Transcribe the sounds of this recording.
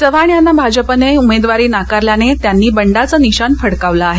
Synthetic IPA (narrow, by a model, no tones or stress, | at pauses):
d͡zəʋaɳjanːabʱad͡ʑəpəneumed̪ʋaɾiːnakaɾljanet̪janːiːbəɳɖat͡səniɕanfəɽkaʋlaːɦe